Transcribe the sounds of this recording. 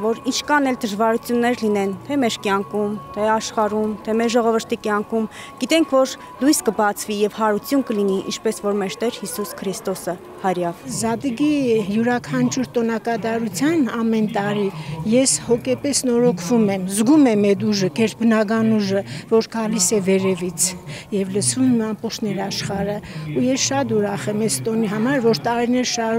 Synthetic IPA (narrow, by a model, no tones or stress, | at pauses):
vɔɾint͡ʃʰkɑnɛld̪əʒvɑɾut͡sʰjunːɛɾlinɛnt̪ʰɛmɛɾkjɑŋkumt̪ʰɛɑʃχɑɾumt̪ʰɛmɛɾʒɔʁɔvəɾt̪ʰikjɑŋkʰum | ɡ̥it̪ɛŋkʰvɔɾ | lujskəbɑt͡sʰvijɛvhɑɾut͡sʰjunkəliniʔḭnt͡ʃʰpɛsvɔɾmɛɾt̪ɛɾhisuskʰɾist̪ɔsə | hɑɾjɑvzɑd̪iɡijuɾɑkʰɑnt͡ʃʰuɾt̪ɔnɑkɑd̪ɑɾut͡sʰjɑnɑmɛnt̪ɑɾijɛshɔkɛpɛsnɔɾɔkʰvumɛmzɡumɛmɛd̪uʒəkɛɾt̪̚bənɑɡɑnuʒəvɔɾɡɑlisɛvɛɾɛvit͡sʰjɛvləsvumɛmɑmpɔt͡ʃʰnɛɾɑʃχɑɾəujɛsʃɑt̪uɾɑχɛmɛzt̪ɔniɦɑmɑɾvɔɾt̪ɑɾinɛɾʃɑ